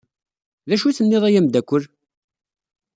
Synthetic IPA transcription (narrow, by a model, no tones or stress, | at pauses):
ðæʃuθənːɪðˤæjæmd̪ækʷːəl